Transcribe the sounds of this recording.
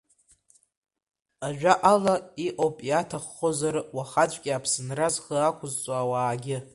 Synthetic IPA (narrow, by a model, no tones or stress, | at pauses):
aʒᶣaʔalaiʔʼowpʼiatʰaχːozarwaχat͡ʃʷʼkʲʼiapʰsɨnrazχəakʷʰʊzt͡sʷʼawaːɡʲɪ